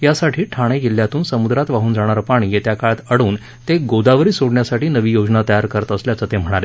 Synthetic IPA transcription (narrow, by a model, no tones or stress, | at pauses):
jasaʈʰiːʈʰaɽ̃eɡilːjat̪uːnsəmud̪ɾat̪ʋaɦuːnd͡zaɽ̃aɾpaɽ̃iːjet̪jakaɭat̪əɽuːn | t̪eɡod̪aʋəɾiːsoɽɳjasaʈiːnəʋiːjod͡znat̪əjaɾkəɾət̪əsljat͡sət̪em̤əɽ̃aɾe